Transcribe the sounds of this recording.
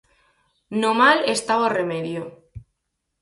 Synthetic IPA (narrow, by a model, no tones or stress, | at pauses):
nomalest̪aβoremeðjo